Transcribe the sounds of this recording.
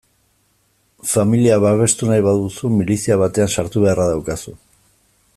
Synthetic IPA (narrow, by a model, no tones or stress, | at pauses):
familiaβaβ̞e̞st̪unajβaðusumilisiaβ̞at̪e̞ansaɾt̪uβe̞araðawkasu